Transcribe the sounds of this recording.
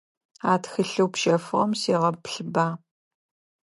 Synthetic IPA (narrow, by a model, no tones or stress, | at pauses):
aːtxɨɬɨwpʃɐfʁɐ̰msiːʁɐpɬɨbaː